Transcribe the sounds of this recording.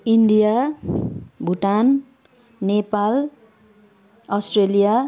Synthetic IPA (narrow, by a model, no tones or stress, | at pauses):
inɖija | bʱuʈan | nepal | ʌsʈrelija